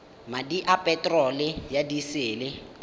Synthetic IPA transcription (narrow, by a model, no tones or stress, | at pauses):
madiʔapʼɛtʼrɔlɪjadisɪːlɪ